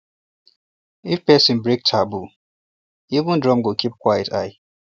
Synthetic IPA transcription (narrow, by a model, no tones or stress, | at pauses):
ifpɛsĩnbɹek̚tʰabu | ivə̃ndɹɔ̃mɡokʰip̚kʰwajɪtʰa̰ɪ